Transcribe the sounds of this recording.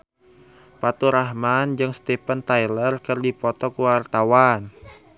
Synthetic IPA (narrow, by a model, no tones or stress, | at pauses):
pat̪uɾahmand͡ʒɨŋst̪epənt̪ailərkɨrdipɔt̪ɔkuwart̪awan